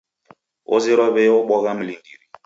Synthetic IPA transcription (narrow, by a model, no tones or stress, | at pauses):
o̰ziɾɔbeʊɓɔɣam̩lindiɾi